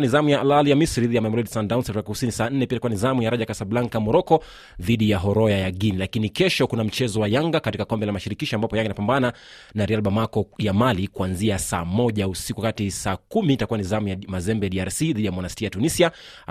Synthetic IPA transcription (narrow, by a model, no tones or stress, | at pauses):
nizamujaalaljamisɾiðijamajmɔɾidsandawnsɛfakku̥sinisaːn̩nɛpiaitakuwanizamujaɾaʄakasablaŋkamɔɾɔkɔ | ðiɗijaɦɔɾɔjajaɠinilakinikɛʃɔkunam̩t͡ʃɛzɔwajaŋɡakatikakɔmbɛlamaʃiɾikiʃɔambapɔjãŋɡinapambana | naɾialɓamakɔjamalikuanziasa̰ːmɔʄausikuakatisaːkumitakuanizamujamazɛmbɛjaɗiaɾsiðiɗijamɔnastiajatunisia